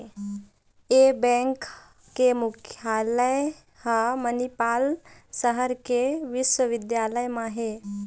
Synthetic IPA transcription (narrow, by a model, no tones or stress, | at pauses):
ebɛ̃ŋkː | emʊkʰjaːləj | hamənipaːlsəɦəɾkeʋɪʃwəʋɪd̪jaːləjmãɦe